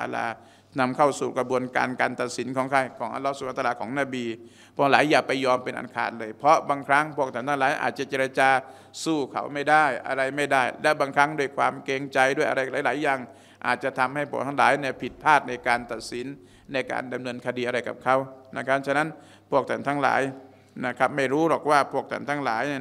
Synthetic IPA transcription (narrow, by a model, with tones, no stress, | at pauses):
a˧˩la̰˧˩ | na˧mkʰa˧˥˩wsuː˨˩ka˧bu˧ənka̰ː˧nkaː˧nt̪a˨t̪̚si˩˦nkʰɔː˨˦ŋkʰa˧˩jkʰɔː˨˦ŋʔa̰˧lɔ˧˦˥suː˨˧˩ʔa˧t̪ːa˧˩kʰɔː˩˦ŋnaː˧˩biː˧ | pʰu˧˩əŋlaː˨˦jːaː˨˩k̚pa˧jːɔː˧mpe˨nʔa̰˧˩nkʰa̰ː˧˩tlɤː˧jpʰɔ˧˦˥baː˧ŋkʰɾa˦˥ŋpʰu˥˩ək̚t̪ʰa˨˩˦nt̪ʰa˧laː˨˦jʔa̰ː˨˩t̪̚t͡ɕa˧t͡ɕeː˧ɾa˧t͡ɕaː˧ | suː˧˩kʰa̰˨˩wma˥˩jdaː˥˩jʔa̰˧ɾa˧jma˥˩jdaː˥˩jlɛ˦˥baː˧ŋkʰɾa˦˥ŋdu˥˩əjkʰwaː˧mkeː˧ŋt͡ɕa˧jdu˥˩əjʔa˧ɾa˧jlaː˨˦jlaː˨˦jːaː˨˩ŋ | ʔa̰ː˨˩t̪̚t͡ɕa˧˨t̪ʰa˧mha˥˩jpʰu˥˩ət̪ʰa˧˥ŋlaː˩˦jna˧˩pʰi˨˩t̪̚pʰaː˥˩t̪̚na˧jkaː˧nt̪a˨˩t̪̚si˨˩˦nː | a˧jka̰ː˧nda˧mnɤː˧nkʰa˧diː˧a˧ɾa˧jka̰˨˩p̚kʰa˦˥wna˦˧˩kʰa˦˥p̚t͡ɕʰa˧na˦˥n | pʰu˥˩ək̚t̪ʰa˨˩nt̪ʰaː˦˧˥ŋla̰ː˩˦j | na˦˧˥kʰa˦˥p̚ma˥˩jɾuː˦˥ɾɔː˨˩k̚waː˧˥˩pʰu˥˩ək̚t̪ʰa̰˧˩nt̪ʰaː˧˥ŋla̰ː˨˦j